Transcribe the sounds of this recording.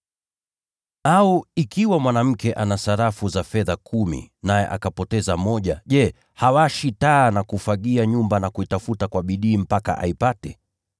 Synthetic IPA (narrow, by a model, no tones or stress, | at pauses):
auikiwamwanam̩kɛʔanasaɾafuzafɛðakʰumḭnajɛ̰ʔakapɔtɛzamɔʄa̰ʄɛ | hawaʃitaːnakufaɠiaɲumbanakuitafutakwaɓiɗiːm̩paka̰ʔa̰ipatɛ